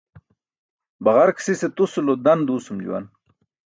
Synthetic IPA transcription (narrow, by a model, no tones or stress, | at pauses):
baʁaɾksiset̪usulod̪and̪uːsumd͡ʑṵwa̰n